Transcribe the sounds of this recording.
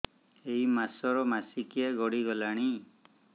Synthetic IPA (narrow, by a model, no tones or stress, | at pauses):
ejmasɔɾɔmasikijaɡɔɽiɡɔlaɽ̃i